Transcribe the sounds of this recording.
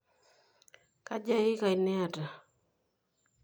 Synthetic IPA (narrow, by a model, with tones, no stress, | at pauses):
ka˦d͡ʒa˦jɪ˦ka˨ɪ˨nɛ˦a˨ta˨